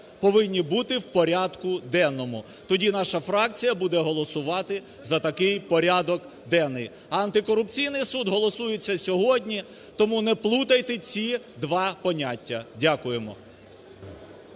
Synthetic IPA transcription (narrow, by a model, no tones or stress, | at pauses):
pɔʋɪnʲːibut̪ɪwpɔɾʲad̪kʊd̪ɛnːɔmʊ | t̪ɔdʲinɑʃɐfɾɑk̚t͡sʲijɐbud̪ɛɦɔlˠɔsʊʋɑt̪ɪ | zɐt̪ɐkɪjpɔɾʲɑd̪ɔk | d̪ɛnːɪj | ɐɐnt̪ɪkɔɾʊpt͡sʲijnɪjsud̪ɦɔlˠɔsujet͡sʲːɐsʲɔɦɔdʲnʲi | t̪ɔmunɛplˠut̪ɐjt̪ɪt͡sʲi | d̪ʋɑpɔnʲatʲːɐdʲakʊjemɔ̰